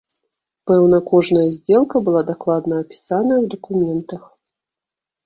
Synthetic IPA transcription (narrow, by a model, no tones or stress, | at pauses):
pɛwn̪ɐkɔʐnɐjɐzʲd͡zʲɛlˠkɐbɨlˠad̪aklˠad̪nɐːpʲi̥sanɐwd̪ɐkumʲɛnt̪ɐx